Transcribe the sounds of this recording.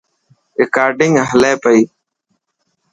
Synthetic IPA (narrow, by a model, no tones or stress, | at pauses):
ɾɪkaːɾɖɪŋɡɦəleːpəiː